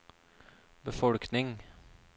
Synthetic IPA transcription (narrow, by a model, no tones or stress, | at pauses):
bəfɔɽknɪŋ